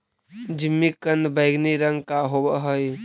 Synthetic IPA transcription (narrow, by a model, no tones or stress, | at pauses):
d͡ʒimːikənd̪bəɪɡniɾəŋɡkaɦobəɦəj